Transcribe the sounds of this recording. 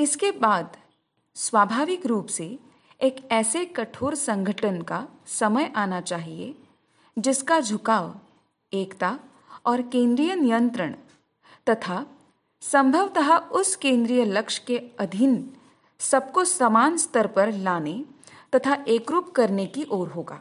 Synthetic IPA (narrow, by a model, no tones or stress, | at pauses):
ɪskebaːd̪ | swaːbʱaːʋɪkɾuːpse | eːkɛːsekɐʈʰoːɾsɐ̃ŋɡʱəʈʰənkasɐməjʔaːnat͡ʃaːɦiḛ | d͡ʒɪskad͡ʒʱʊkaːʋ | eːkt̪a | ɔːɾkẽːnd̪ɾijənɪjə̃nt̪ɾəɽ̃ | t̪ɐt̪ʰa | sɐ̃mbʱəʋt̪ɐɦaʊskẽːnd̪ɾijəlɐkʃkeɐd̪ʱɪn | sɐb̚kosɐmaːnst̪ʰəɾpɐɾlaːnet̪ɐt̪ʰaʔeːkɾuːpkɐɾnekiʔoːɾɦoːɡa̰ː